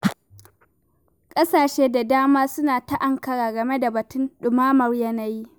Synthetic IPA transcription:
kʼɐ˦saː˨ʃeː˦da˨daː˦maː˦sʊ˦naː˨ta˦ʔa˦˨ŋkɐ˨ɾaː˨ɡɐ˨me˦da˨bɐ˨tʊ˦nɗʊ˨maː˦mɐ˦rjɐ˦na˦ji˦

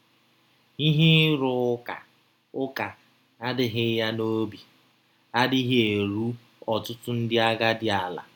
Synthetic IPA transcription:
i˦ɦɪ˦ɾʊ˨˦ka̰˨ | ʊ˦ka˨ | a˦dɪ˨ɦɪ˦ja˦no˦bi˨ | a˦dɪ˦ɦe˨ɾu˦ | ɔ˨tʊ˦tʊ˦n̩˦dɪ˦a˦ɡa˦dɪ˦a˨la̰˨

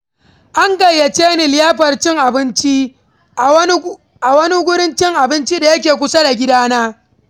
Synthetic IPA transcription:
ʔa˦ŋɡɐ˨jːɐ˨t͡ʃeː˦nɪ˨lɪ˦jaː˦ɸɐ˨rt͡ʃɪ˦ŋʔa˨bɪ˦nt͡ʃi˦˨˦ | ʔa˨wɐ˦ni˦ɡʷʊ˦ɽɪ˦nt͡ʃɪ˦ŋʔa˨bɪ˦nt͡ʃi˦da˨jɐ˦k̬ʲeː˨kʷʊ˦sa˦da˨ɡʲɪ˦daː˦naː˦

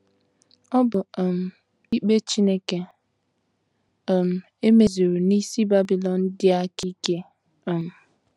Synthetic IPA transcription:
ɔ˦bʊ˨m̩˨ | i˦k͡pe˦t͡ʃi˦ne˦ke˨ | m̩˨ | e˦me˨zu˨ɾu˨ni˦si˦ba˦bi˨lɔ˨n̩˦dɪ˦a˦ki˦ke˦˨ | m̩˨

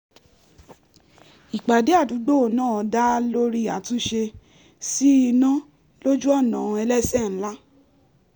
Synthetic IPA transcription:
i˨k͡pa˨de˨˦a˦˨du˨˦ɡ͡bo˦˨nãː˦˨ɔ˧da˦lo˦ɾi˦˨a˨tũ˦ʃe˧ | si˦i˧nã˦ | lo˦d͡ʒu˦ɔ˦˨nã˨˧ɛ˧lɛ˦sɛ˦˨n̩˨˦la˦

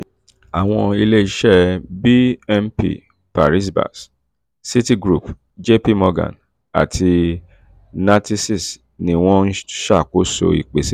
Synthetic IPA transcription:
a˨w̃ɔ̃˧i˧le˦i˧ʃɛ˦bi˦ɛ˧mpḭ˦˨ | pa˨ɾi˦s̬ba̰˨s | si˦ti˦ɡɾu˦˨p | d͡ʒe˦pi˦mɔ˧ɡã̰˨n | a̰˨tʰi˧ | na˧ti˦si˦˨s | nĩ˧w̃ɔ̃˦n̩˦ʃa˦˨ko˨˦so̰˧ḭ˨k͡pe˨si˦

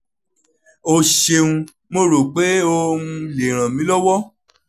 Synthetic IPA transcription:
o˧ʃe˧ũ˧ | mo˦˧ɾo˨k͡pe˨˦o˧ũ˦˧le˨ɾ̃ã˨mĩ˨˦lɔ˦wɔ˦

